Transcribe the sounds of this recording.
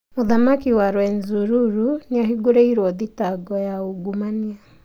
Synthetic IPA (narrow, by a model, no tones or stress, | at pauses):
moðamakiwaɾwɛnzuɾuɾuniaɦiɡoɾeiɾwɔðitaɡɔjauɡumania